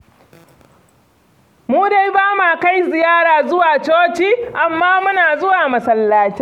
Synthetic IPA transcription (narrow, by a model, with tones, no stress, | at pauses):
muː˦da˨jbaː˦ma˨ka˦jzɪ˨jaː˦ɾaː˨zʊ˦waː˨t͡ʃoː˦t͡ʃiː˦ʔa˨mːaː˦mʊ˦naː˨zʊ˦waː˨mɐ˨sɐ˨lːaː˨t͡ʃɛ˦